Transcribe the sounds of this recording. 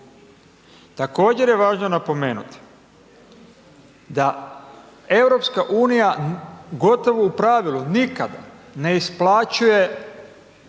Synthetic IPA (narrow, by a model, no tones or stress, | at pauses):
t̪ako̞ːd͡ʑe̞ɾjeʋaːʒnonapo̞me̞ːnut̪i̥ | d̪a | e̞wɾo̞pskaʔuːnijaɡo̞t̪o̞ʋoupɾaʋilunikad̪ane̞isplˠaːt͡ʃuje̞